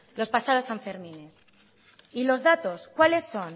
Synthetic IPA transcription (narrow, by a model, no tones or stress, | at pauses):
lo̞spasaðo̞saɱfe̞ɾmĩnes | ilo̞zðat̪o̞skwale̞sːo̞n